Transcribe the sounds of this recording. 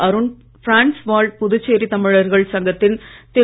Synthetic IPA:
ɐɾɯn | fɾaːnsʋaːɭɖ̚pʊðʊt͡ʃːeːɾit̪ɐmɪɻɐɾɣɐɭsɐŋɡɐt̪ːɪnt̪ɛ

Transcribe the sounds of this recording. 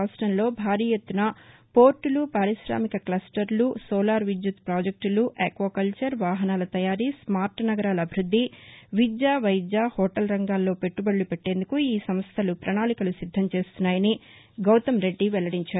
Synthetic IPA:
sʈɐnlo̞ːbʱaːɾiːjet̪ːunɐpo̞ːɾʈulupaːɾisɾa̰ːmikɐklɐsʈɐɾlusɔːlaːɾʋid͡ʒ̪jut̪pɾaːd͡ʒek̚ʈluʔekʋɐːkɐlt͡ʃɐɾʋaːɦɐnaːlɐt̪ɐjaːɾismaːɾʈnɐɡɐɾaːlɐːbʱiɾud̪ʱːiʋid͡ʒjaːʋɐjd͡ʒaːhɔːʈɐlɾɐŋɡaːlːo̞ːpe̞ʈːubɐɭːupe̞ʈːe̞ːnd̪ukuiːsɐmɐst̪ʰɐlupɾɐnaːɭikɐlusid̪ʱːɐmt͡ʃe̞ːst̪unːaːjɐni | ɡɐwt̪ɐmɾe̞ɖːiʋɛlɐɽiɲt͡ʃaːu

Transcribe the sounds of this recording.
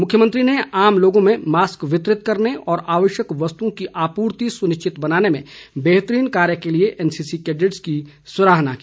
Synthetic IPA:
mʊkʰjəmə̃nt̪ɾineaːmloːɡõmẽmaːskʋɪt̪ɾɪt̪kɐɾneɔːɾaːʋəʃjəkʋɐst̪uõkiʔaːpuːɾt̪isʊnɪʃt͡ʃɪt̪bɐnaːnemḛ̃beːɦt̪ɾiːnkaːɾjəkelieʔɛːnsiːsikeːɖɪʈski | sʊɾaːɦna̰kiː

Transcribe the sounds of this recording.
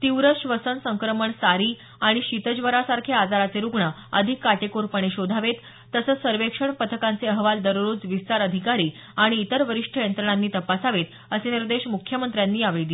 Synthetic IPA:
t̪iwɾəɕʋəsənsəŋkɾəməɳsaɾiː | aɽ̃iɕit̪əd͡ʑʋəɾasaɾkʰead͡zaɾat͡seɾuɡɳaəd̪ʱikːaʈekoɾpəɳ̃eɕod̪ʱaʋet̪ː | əsət͡ssəɾʋekʂəɳpət̪ʰəkant͡seəɦʋald̪əɾɾuːd͡zʋist̪aɾəd̪ʱikaɾiː | aɽ̃iːt̪əɾʋəɾiʂʈʰəjənt̪ɾəɳ̃anːiːt̪əpasaʋet̪ | əseniɾd̪eɕmukʰjəmənt̪ɾjanːiːaʋɭid̪i

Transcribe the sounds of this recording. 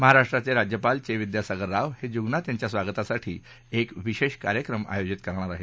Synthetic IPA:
məɦaɾaʂʈɾat͡seɾad͡ʑjəpalt͡ɕeʋid̪jasaɡəɾːaʋhed͡ʑuɡnat̪jaɲt͡ɕjasʋaɡət̪asaʈʰiː | ekʋiɕeɕkaɾjəkɾəma̰jod͡ʑit̪kəɾɳ̃aɾaɦe

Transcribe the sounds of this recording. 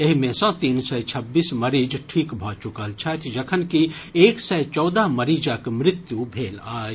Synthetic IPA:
eɦimẽsɔ̃t̪iːnsəjt͡ʃʰəbːisməɾid͡ʒʈʰikbʱɔt͡ʃukəlt͡ʃʰət̪ʰd͡ʒəkʰənkieksɛjt͡ʃɔwd̪əɦməɾid͡ʒakmɾɪt̪jubʱeːlaːd͡ʒ

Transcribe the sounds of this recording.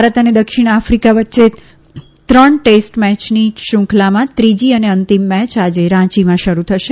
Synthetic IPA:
bʱaɾət̪əned̪əkʃɪɽ̃afɾikaʋətːʃe | t̪ɾəɳʈesʈmɛt͡ʃniʃʊ̃kʰlamãt̪ɾid͡ʒiəneənt̪imːɛt͡ʃad͡ʒeɾãt͡ʃimãʃəɾut̪ʰəʃe

